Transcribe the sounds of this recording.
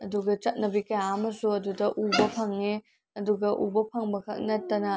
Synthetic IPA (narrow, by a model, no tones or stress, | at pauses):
ɐduɡɐt͡ʃɐt̚nɐbikɐjamɐsuɐdudɐʔubɐpʰɐŋːe | ɐduɡɐʔṵbɐpʰɐŋbɐkʰɐ̰k̚nɐtːɐnɐ